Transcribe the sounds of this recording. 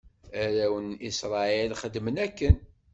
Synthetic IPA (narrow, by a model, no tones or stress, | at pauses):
æɾæwənisɾˤɑelχəd̪ːmənækːən